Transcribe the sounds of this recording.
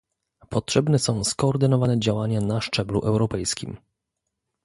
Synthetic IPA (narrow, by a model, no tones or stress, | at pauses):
pɔtʂɛbnɛsɔ̃w̃skɔːɾd̪ɘnɔvanɛd͡ʑawaɲanaʂt͡ʂɛblṵʔɛwɾɔpɛjskʲḭm